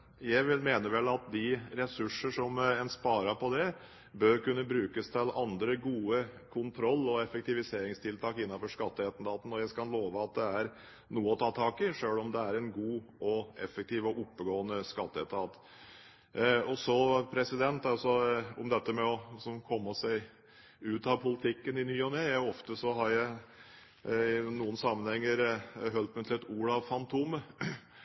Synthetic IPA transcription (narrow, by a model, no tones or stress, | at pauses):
jæɪʋɪlmeːnəʋɛlːɑt̪̚d̪ɪɾɛsʉʂəʂɔmɛnspɑːɾɑpʰɔd̪ɛ | bøɾkʉnːəbɾʉːkəst̪ʰɪlɑnd̪ɾəɡuːəkʰʊnt̪ʰɾɔlːɔɛfəkt̪ɪʋɪseːɾɪŋst̪ʰɪlt̪ʰɑːkɪnːɑfɔʂkɑt̪ːəɛt̪n̩d̪ɑːt̪n̩ɔjæɪkɑnloːʋəɑt̪̚d̪ɛæɾ | nuːəɔt̪ʰɑːt̪ʰɑːkɪʂøːlɔmd̪ɛæɾɛnɡuːʔɔʔɛfək̚t̪ʰiːʋɔʔʊpːəɡoːənəskɑt̪ːəɛt̪ɑːt̪ | ɔsɔpʰɾɛsɪd̪ɛnt̪ɑsɔʊmd̪ɛt̪ːəmɛɔsɔmkʰɔmːɔsæɪ | ʉːt̪ɑʋpʰʊlɪt̪ʰɪkːənɪnyːɔnɛæɔft̪əsɔɦɑɾjæɪ | ɪnuːənsɑmːənhɛŋːəɾɦœlt̪mæt̪ʰɪlɛt̪uːɾɑʋfɑnt̪ʰumə